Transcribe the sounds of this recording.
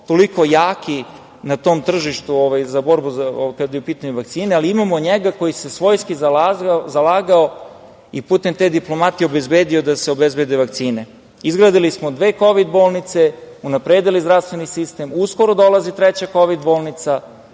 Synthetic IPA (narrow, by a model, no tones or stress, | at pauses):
t̪o̞liko̞jaːki | nat̪o̞ːmt̪r̩ʒiʃt̪uoʋajzabo̞ɾbuzakad̪jeupiːt̪aɲuʋak̚t̪siːnealiimamoɲeɡako̞jise̞sʋo̞jskizalazalaːɡao | iput̪e̞mt̪ed̪iplˠo̞mat̪ijo̞be̞zbeːd̪iod̪aseo̞bezbe̞d̪eʋakt̪siːne̞ | izɡɾaːd̪ilismod̪ʋe̞ːko̞ʋid̪bo̞ːlˠnit̪se | unapɾed̪elizd̪ɾafst̪ʋe̞nisist̪e̞musko̞ɾo̞d̪o̞lazit̪ɾɛt͡ɕako̞ʋid̪bo̞ːlˠnit̪sa